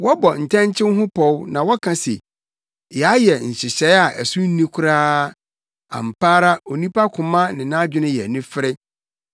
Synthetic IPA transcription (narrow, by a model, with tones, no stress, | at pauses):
wɔ˦bɔ˨n̩˨tʰɛ̃˦n˦t͡ɕʰɪ̃˦n˦ɦʊ̃˦pʰɔ˦wnã˨wɔ˦kʰã˨sḛ˨ | jɛ˨a˦jɛ˨n̩˨ɕɪ˨ɕɛ˨˦a˨ʔæ˨sʊ̃˦n̩˦nːĩ˦kʰʊ˦ɾaː˦ | ã̰˨m˨pʰaː˦ɾa˦o˨nĩ˦pʰa˦kʰʊ̃˨mã˦nɪ̃˨nã˦d͡ʑᶣɪ˦nʊ̃˦jɛ̰˨nʊ̃˦fɪ˦ɾɪ˦